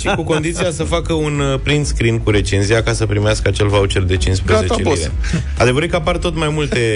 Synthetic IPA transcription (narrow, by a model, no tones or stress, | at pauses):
ʃikuko̞nd̪it̪sijasəfakəunpɾind̪skɾinkuɾe̞t͡ʃenzijakasəpɾimeaskəat͡ʃe̞lvaut͡ʃe̞rd̪e̞t͡ʃinspɾezet͡ʃelḛ | ad̪e̞vəɾɨkəapart̪o̞t̪majmult̪e̞